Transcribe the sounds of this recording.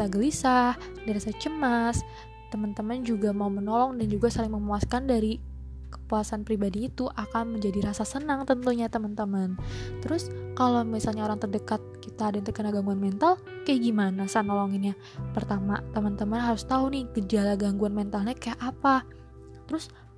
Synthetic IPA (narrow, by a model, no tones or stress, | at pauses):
kit̪aɡəlisa | diɾasat͡ʃəmas | t̪əmənt̪əmənd͡ʒuɡamaumənɔlɔŋdand͡ʒuɡasalɪŋməmuaskandaɾi | kə̥puasanpɾibadiːt̪uʔakanməɲd͡ʒadiɾasasənaŋt̪ənt̪uɲat̪əmənt̪əmənt̪əɾʊskalawmisalɲaoɾaŋt̪ərdəkat̪̚kit̪adant̪əkənaɡaŋɡuanmɛnt̪al | kajaɡimanasanːɔlɔŋɪnja | pərt̪amat̪əmənt̪əmənɦaɾʊst̪aunɪht̪id͡ʒalaɡaŋɡuanmɛnt̪alɲakajaʔapa | t̪əɾʊs